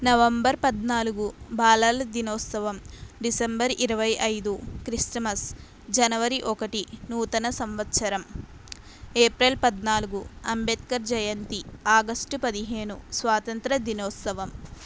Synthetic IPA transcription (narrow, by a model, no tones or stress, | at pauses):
nɐʋɐmbɐɾpɐd̪naːluɡubaːlɐlɐd̪inɔːt̪sɐʋɐmɖisembɐɾiɾɐʋɐjʔɐjd̪ukɾisʈɐmɐs | d͡ʒɐnɐʋɐɾiʔɔkɐʈinuːt̪ɐnɐsɐmʋɐt̪ʃɐɾɐm | eːpɾelpɐd̪naːluɡuɐmbet̪̚kɐɾd͡ʒɐjɐnt̪iaːɡɐsʈupɐd̪iɦe̞ːnusʋaːt̪ɐnt̪ɾɐd̪inɔːt̪sɐʋɐm